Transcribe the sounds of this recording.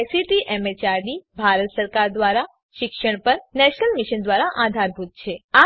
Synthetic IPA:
siʈiʔɛmet͡ʃaɾɖibʱaɾət̪səɾkaɾd̪ʋaɾa | ʃɪkʃəɳ̃pəɾnɛʃnəlmiʃənd̪ʋaɾaʔad̪ʱaɾbʱut̪̚t͡ʃʰea

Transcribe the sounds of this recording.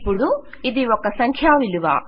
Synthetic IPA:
pːuɽu | iðiʋokːɐsɐŋkʰjaːʋiluʋa̰ː

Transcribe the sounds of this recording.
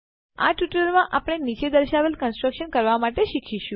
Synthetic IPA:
a̰ʈjuʈəlmãʔapəɽ̃enit͡ʃed̪əɾʃaʋelkənsʈɾəkʃənkəɾʋamaʈeʃikʰiʃũ

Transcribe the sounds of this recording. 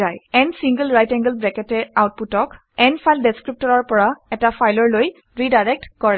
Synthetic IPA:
ajɛnsiŋɡəlɹajtɛŋɡəlbɹɛkɛtɛawt̚putɔk | ɛnfʰajldeskɹip̚tɔɹɔɹpɔɹaɛtafʰajlɔɹloj | ɹidajɹɛk̚tkɔɹɛ

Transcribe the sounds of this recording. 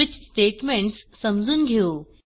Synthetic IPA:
ɪt͡ɕsʈeːʈmẽːɳʈsːɐmd͡zʱʊn̆ɡʱijoː

